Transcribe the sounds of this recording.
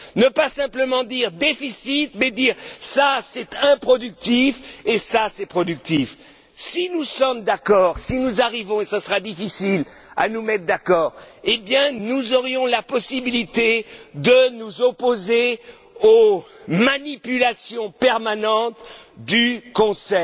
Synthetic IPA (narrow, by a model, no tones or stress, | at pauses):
nəpasɛ̃pləmɑ̃d̪iʁd̪efisit̪mɛd̪iːʁsasɛt̪ɛ̃pχɔd̪yk̚t̪ifesasɛpχɔd̪yk̚t̪if | sinusɔmd̪akɔʁsinuzaʁivɔ̃esasəʁad̪ifisil | a̰numɛt̪χd̪akɔːʁebjɛ̃nuzɔʁjɔ̃lapɔsibilit̪ed̪ənuzɔpoze | o | manipylasjɔ̃pɛʁmanɑ̃t̪d̪ykɔ̃sɛ